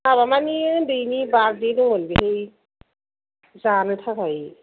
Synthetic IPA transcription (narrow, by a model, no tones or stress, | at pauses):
aβamanidɯjnibaɾdijnɯɦolbiɦej | zanɯtʰakʰaj